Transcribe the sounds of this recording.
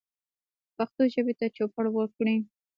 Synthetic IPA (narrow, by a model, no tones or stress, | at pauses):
paxt̪oʒəbet̪at͡ʃopəɽwəkɽi